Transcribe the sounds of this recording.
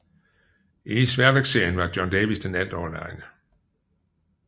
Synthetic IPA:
ʔisʋæɐʋeɡ̥se̝ɐ̰jən̩ʋɑ̈d̥jɒnd̥ɛːʋisd̥enæl̰d̥ɒːlɑ̈ɪnə

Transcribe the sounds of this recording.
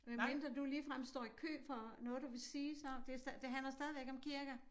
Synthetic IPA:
æmend̥ɐd̥uliːfʁam̰sd̥ɒ̰ːikʰø̰ːfɒnɔ̽ːðˠd̥uʋe̝siːsɒd̥e̝ɐsd̥ɛd̥e̝ɦænlɐsd̥ɛːð̞ˠiʋeɡ̥ɒ̽mkʰiɐɡ̥ɐ

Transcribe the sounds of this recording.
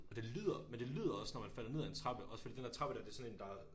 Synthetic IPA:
ɒ̽d̥e̝lið̰ˠɐmend̥e̝liːð̞ˠɐɒ̽snɒmænfæl̰ɐne̝ð̞̰ˠe̝nt͡sʰʁɑ̈b̥əʔɒ̽səfɒ̥iːd̥en̥eɐt͡sʰʁɑ̈b̥əd̥ɾɑd̥e̝sɒ̽ne̝ːn̩d̥ɑ̈

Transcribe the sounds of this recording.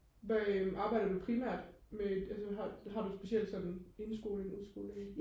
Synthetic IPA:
ʋæʔɑ̈ːb̥ɑ̈ɪ̰ɾ̥ɐd̥upʰʁimæ̰ɐ̰d̥meælsəɦɑ̈ɦɑ̈d̥usb̥e̝siel̰d̥sɒ̽d̥n̩e̝nsɡ̥o̝̰ːleŋuðˠsɡ̥o̝̰ːleŋ

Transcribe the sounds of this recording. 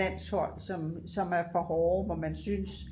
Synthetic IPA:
æn̰shɒ̽l̰sɒ̽msɒ̽mæɐfɒ̽hɒːʋɒmænsyns

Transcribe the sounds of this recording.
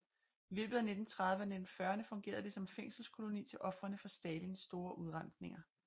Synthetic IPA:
ilø̰ːb̥ð̩ˠæne̝d̥n̩t͡sʰʁäðˠʋəæned̥n̩fɶːɐnəfɔ̽ŋɡ̥e̝̰ːɐðˠd̥e̝sɒ̽mfeŋ̰sl̩skʰo̝lo̝nḭːt͡sʰe̝lʔɒ̽fʁɐnəfɒ̽sd̥ɛːlinsːd̥o̝ːɐʔuð̞ˠʁɑn̰sne̝ŋɐ

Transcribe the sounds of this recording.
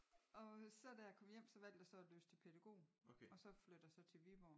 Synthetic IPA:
ɒ̽sɛ̰d̥æjɑkʰɒ̽m̰jem̰sɒ̽ʋæl̰d̥jasɒ̽løːst͡sʰepʰed̥ɑɡ̥o̝̰ːɒ̽sɒ̽flød̥jasɒ̽t͡sʰe̝ʋibɒ

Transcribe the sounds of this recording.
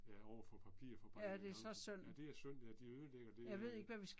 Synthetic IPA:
jæɒʊ̰ɐfɒpʰæpʰḭɐfɒpʰæd̥e̝ɐsɒ̽søn̰d̥e̝æɐsøn̰æd̥iøðˠəleɡ̥ɐd̥e̝jɑ̈ɪʋe̝ð̞̰ˠe̝ɡ̥ʋæʋisɡ̥

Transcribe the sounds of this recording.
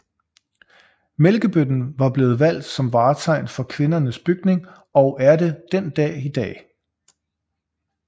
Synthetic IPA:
melɡ̥əb̥ød̥n̩ʋɑ̈b̥le̝ːð̞̩ˠʋæl̰d̥sɒ̽mʋɑ̈ːt͡sʰɑ̈ɪ̰nfɒ̽kʰʋe̝nɐnəsb̥yɡ̥ne̝ŋ | ɒ̽ʊʔæɐde̝d̥end̥ɛ̰ːid̥ɛ̰ː

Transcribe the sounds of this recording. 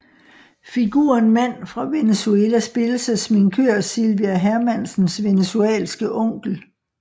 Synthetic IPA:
fiɡ̥ṵːɐnmæn̰fʁɑ̈ʋe̝nesueːlæsb̥e̝ləsæsmiŋkʰøɐ̰silʋiæɦæɐmæn̰sn̩sʋe̝nesuɛ̰ːlsɡ̥əʔɔ̽ŋ̰ɡ̥l̩

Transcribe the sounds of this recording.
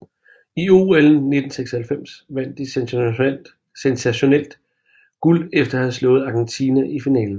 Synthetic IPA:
ioel̩ne̝d̥n̩seɡ̥shælfem̰sʋæn̰d̥i | sensæɕonel̰d̥ | ɡ̥ulefd̥ɐhæð̩ˠslɔ̽ːð̩ˠɑ̈ɡ̥ent͡sʰiːnæʔifinɛ̰ːln̩

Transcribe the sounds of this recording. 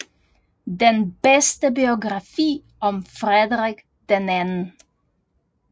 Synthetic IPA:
d̪enb̥estəbioɡʁɑfḭː | ɒ̽mfʁɛðʁeɡ̥ | d̪̥enænn̩

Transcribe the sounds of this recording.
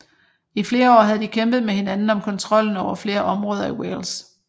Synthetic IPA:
ifle̝ːɐɒ̰ːɦæð̩ˠd̥ikʰemb̥ð̞̩ˠmehe̝nænn̩ɒ̽mkʰɒ̽nt͡sʰʁɒ̽l̰n̩ɒʊ̰ɐfle̝ːɐʔɒ̽mʁɔ̽ːð̞ˠɐiwḛls

